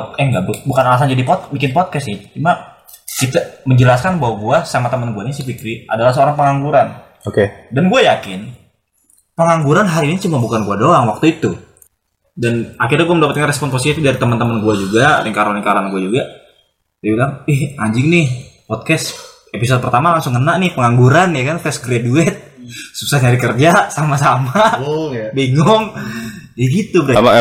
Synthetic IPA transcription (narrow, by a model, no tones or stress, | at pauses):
ɛŋɡabbukanalas̬and͡ʒadipɔt̪̚bikɪnpɔt̪̚kɛsɛt͡ʃuma | kit̪aməɲd͡ʒəlaskanbaɦwaɡuasamat̪əmənɡuanisəpikɾiadalahsəoɾaŋpəŋaŋɡuɾan | okedanɡuajakɪn | pəŋaŋɡuɾanɦaɾinit͡ʃumabukanɡuadoaŋwak̚t̪uit̪u | danakɪrɲaɡuaməndapət̪̚kanrɛspɔnposit̪idaɾit̪əmənt̪əmənɡuad͡ʒuɡaɾɪŋkaɾanɪŋkaɾaanɡuad͡ʒuɡa | ibilaŋɪha̰ɲd͡ʒɪŋnɪhpɔd̚kɛs | epis̬od̚pərt̪amalaŋsʊŋːənaʔnɪhpəŋaŋɡuɾanjakant̪ɛsɡɾaduɛt̪̚susaɲaɾikərd͡ʒasamasama | biŋɔŋjəɡit̪ubɾa